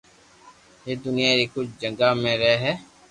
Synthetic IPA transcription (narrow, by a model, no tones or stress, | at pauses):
ɦeːd̪ʊnɪjaːɾikʊt͡ʃʰd͡ʒə̃ŋɡaːmẽɾɛɦɛː